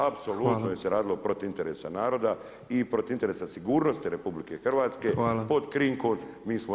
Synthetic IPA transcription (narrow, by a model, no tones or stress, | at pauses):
apsoluːt̪nojeseɾaːd̪ilo̞pɾot̪int̪e̞ɾesa̰naːɾo̞d̪a | ipɾot̪int̪eɾesasiɡuːɾno̞st̪iɾe̞publike̞xrʋaːt̪ske̞po̞d̪kɾiŋkonmiːsmo